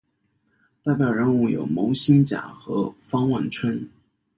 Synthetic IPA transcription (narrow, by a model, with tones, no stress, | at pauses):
t̪a˥˩ɪpjɑ˨˩ʊɻə˧˥nu˥˩jo̰˨˩ʊmo˧˥ʊɕi˥nt͡ɕja̰˨˩˦xɤ̰˧˥fɑ˥ŋwa˥˩nʈ͡ʂʰwə˥n